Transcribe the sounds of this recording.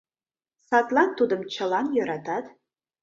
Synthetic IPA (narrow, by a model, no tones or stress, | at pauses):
sɑt̪lˠɑnt̪ːud̪əmt͡ʃʰəlˠɑnjɑɾɑt̪ɑd̪